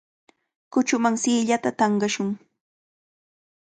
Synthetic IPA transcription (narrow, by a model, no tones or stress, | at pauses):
kʊt͡ʃʊmaŋsiːʎat̪at̪ɑɴɢɑʃʊŋ